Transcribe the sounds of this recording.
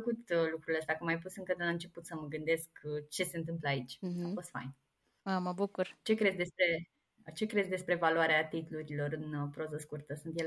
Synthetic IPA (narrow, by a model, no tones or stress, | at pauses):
əkut̪lukɾuleəst̪akumajp̬usɨŋkəd̪elaɨnt͡ʃe̞put̪səməɡɨnd̪e̞skt͡ʃe̞se̞ɨnt̪ɨmpləait͡ʃʲafo̞st̪fa̰jn | aməbukurt͡ʃe̞kɾe̞zʲd̪e̞spɾe | t͡ʃe̞kɾe̞zʲd̪e̞spɾe̞valoaɾeat̪it̪luɾilo̞ɾɨnpɾo̞zəskurt̪əsunt̪jel